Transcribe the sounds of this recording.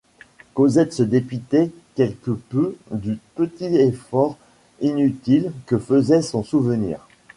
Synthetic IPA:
kozɛt̪səd̪epyt̪e | kʲɛlkəpød̪ypət̪iefɔʁ | inyt̪ilkəfəzɛsɔ̃suvənḭːʁ

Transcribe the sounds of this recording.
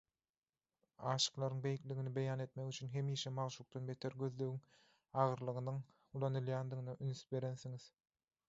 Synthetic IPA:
ɑːʃɯ̥qlˠɑɾɯŋbe̞jikliɣinibe̞jɑːne̞t̪mekyt͡ʃʰynɦe̞miːʃemɑʁʃuk̚t̪ɑnbe̞t̪ʰeɾɡø̞ðløɣyŋ | ɑʁɯɾlˠɯʁɯnɯŋ | ulˠɑnɯlˠjɑːnd̪iɣɯnɑʔynyθbe̞ɾe̞nθiŋið̥

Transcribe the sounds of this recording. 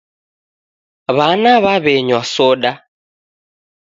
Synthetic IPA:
βanaβaβeɲwasoɗa

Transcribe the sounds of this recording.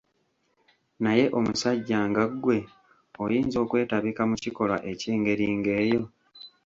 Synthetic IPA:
naje̞ʔo̞musaɟːaːŋɡaɡːwe̞ | ojiːnzo̞ːkwe̞ːtaβikamuciko̞lwa̰ʔe̞ciːŋɡe̞ɾiːŋɡe̞ːjo̞

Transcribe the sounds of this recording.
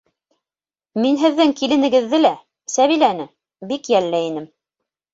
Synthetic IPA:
minɦɘ̆ðːɘŋkilɘ̆nɘ̆ɡɘ̆ðːɘlæ | sæβilænɘ | bikjælːɘinɘm

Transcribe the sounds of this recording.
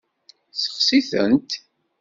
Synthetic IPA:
θə̥χsiθə̰nt̪

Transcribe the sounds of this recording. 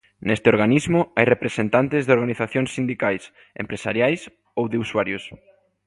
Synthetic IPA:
nest̪ɪoɾɣanizmʊajrepɾesent̪ant̪ɪzðeoɾɣaniθaθjoŋsːind̪ikajs | ḛmpɾesa̰ɾjajs | owðɪuswaɾjʊs

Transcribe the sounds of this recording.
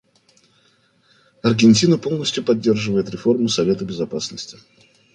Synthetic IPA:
ɐrɡʲɪnʲtʲinəpo̞lˠnəsʲtʲjʊpɐdʲːe̞rʐɨvəjɪt̪ɾʲɪfo̞rmʊsɐvʲe̞t̪əbʲɪzɐpasnəsʲtʲɪ

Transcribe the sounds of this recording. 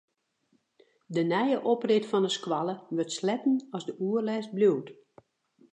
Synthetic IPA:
dənɛjəʔoprɪtfɔnəskwalˠəʋørtslɛtən̩ɔzdəuərlɛːst̚bljuwt

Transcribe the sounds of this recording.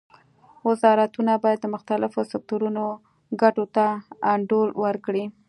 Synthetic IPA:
wɪzɑɾat̪unabɑjad̪ːəmʊxt̪alɪfosɪk̚t̪oɾuno | ɡaʈot̪aaɳɖolwəɾkɽi

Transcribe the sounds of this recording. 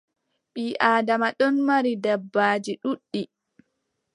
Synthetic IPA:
ɓiːʔaːdamaɗɔnmaɾidɛbːaːd͡ʒiɗuɗːi

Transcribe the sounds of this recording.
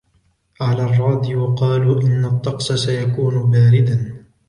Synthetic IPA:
ʕalaːrˤːɑːd̪ɪjwɑqɑːluːʔɪnːat̪ˤːɑqsasajakuːnʊbaːɾɪd̪an

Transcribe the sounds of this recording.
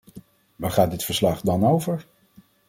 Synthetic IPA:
ʋaːχaːt̚dɪtfəɹslɑχdɑnowvəɹ

